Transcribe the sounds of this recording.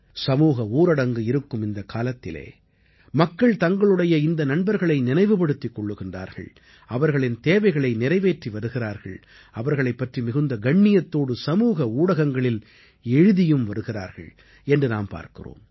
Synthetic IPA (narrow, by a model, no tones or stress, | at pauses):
sɐmuːɣɐuːɾɐɽɐŋɡɯɪɾɯkːɯmɪnd̪ɐkʰaːlɐt̪ːɪlḛː | mɐkːɐɭt̪ɐŋɡɐɭɯɽɐjɐɪnd̪ɐnɐɳbɐɾɣɐɭɐɪnɪnɐɪʋɯpɐɽɯt̪ːɪkːɔɭːɯɣɪndra̰ːɾɣɐ̰ɭ | ɐʋɐɾɣɐɭɪnt̪eːʋɐɪɣɐɭɐɪnɪɾɐɪʋeːʈriʋɐɾɯɣɪraːɾɣɐ̰ɭ | ɐʋɐɾɣɐɭɐɪpːɐʈrimɪɣɯnd̪ɐɡɐɳːɪjɐt̪ːoːɽɯsɐmuːɣɐuːɽɐɣɐŋɡɐɭɪl | ɛɻɯðɪjɯmʋɐɾɯɣɪra̰ːɾɣɐ̰ɭ | ɛndrɯnaːmpa̰ːɾkɪ̰ro̰ːm